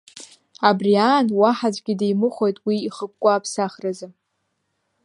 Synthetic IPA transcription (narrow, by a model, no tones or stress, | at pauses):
abriaːnwaħazʷʼɡʲɪdejmɨχʷo̞jtʼwiːχək̚ʷʼkʷːʼaːpʰsaχrazɨ